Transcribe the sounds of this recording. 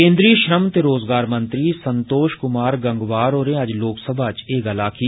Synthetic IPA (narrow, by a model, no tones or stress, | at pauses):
ẽːnd̪ɾiːʃɾəmt̪eːɾoːzɡaːɾmənt̪ɾiːsənt̪oːʃkʊmaːɾɡəŋɡʋaːɾoːɾẽːəd͡ʒloːksəbʱaːt͡ʃeːɡəlaːkʰi